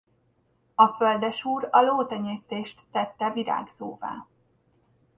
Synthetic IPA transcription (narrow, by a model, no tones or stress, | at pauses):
ɒføld̪ɛʃuːɾɒloːt̪ɛɲeːst̪eːʃt̪ːɛt̪ːɛviɾa̰ːɡzoːva̰ː